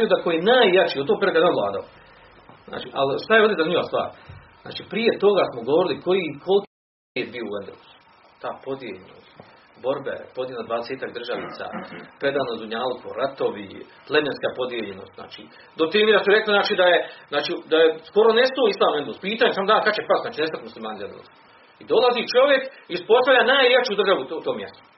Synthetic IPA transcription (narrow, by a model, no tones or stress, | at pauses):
jud̪akojienaːjːat͡ʃiot̪t̪oːkpeɾekad̪aʋlˠaːd̪ao | zna̰ːt͡ʃḭʔa̰lʃt̪ajeod̪iezaniɲoʋast̪ʋa̰ːɾ | zna̰ːt͡ʃiːpɾije̞t̪o̞ɡasmoɡo̞ʋoɾilikʰojikʰo̞lki | eːt̪̚biouend̪o̰su̥ | t̪aːpo̞d̪jeʎeno̰st̪ | bo̞ɾbḛpod̪jeelad̪ʋaːd̪eseːt̪akd̪rʒaʋnḭːt̪sa̰ːpɾe̞d̪aːnozuɲaːlkʰo̰ɾat̪o̞ʋḭ | lˠemenskaːpo̞d̪jeʎeno̰ːst̪za̰ːt͡ʃḭː | d̪ot̪ɾimiɾasuɾe̞kliznaːt͡ʃiːd̪ajeznaːt͡ʃiːd̪ajesko̞ɾo̞nest̪oːislˠaːmuend̪elːspiːt̪aːɲesamod̪aːkat͡ɕepast̪aːt͡ʃinest̪at̪ʲmuslimaːnizend̪el̰s | id̪o̞lazit͡ʃo̞ʋje̞kiuspo̞st̪aʋʎʲaːnaːjɾjat͡ʃuːd̪rʒaʋuut̪oːmːjḛst̪o̥